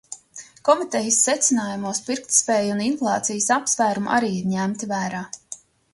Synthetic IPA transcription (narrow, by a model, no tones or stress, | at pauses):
kɔmit̪ɛjəsːɛt̪sɪnaːjumuɔspiɾkt̪spɛːjuninflˠɑːt̪sijəsapsvæːɾumʔa̰ɾiːiɾɲæmt̪ivæːɾaː